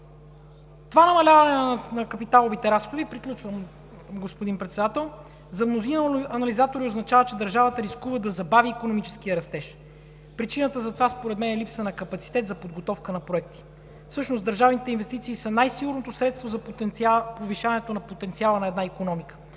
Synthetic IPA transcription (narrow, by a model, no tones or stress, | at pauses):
t̪ovanɐmɐlʲavənɛnɐkɐpit̪alˠovit̪ɛɾasxod̪ipɾiklʲut͡ʃvəm | ɡospod̪inpɾɛt̪sɛd̪at̪ɛlˠ | zɐmnozinɐnɐlizat̪oɾioznɐt͡ʃavət͡ʃɛd̪əɾʒavət̪əɾiskuvəd̪ɐzɐbaviːkonomit͡ʃɛ̥sk̟iəɾɐst̪ɛʃ | pɾit͡ʃinət̪əzɐt̪ovaspoɾɛt̪mɛnɛlipsənɐkɐpɐt̪si̥t̪ɛt̪zɐpod̪̚ɡot̪ɔfkənɐpɾoɛk̚t̪i̥ | fsɤʃnosd̪əɾʒavnit̪ɛinvɛst̪it̪siːsənajsiɡʊɾnot̪osɾɛt̪st̪vozɐp̪poviʃanɛt̪onɐpot̪ɛnt̪sialˠənɐɛd̪naikonɔmikə̥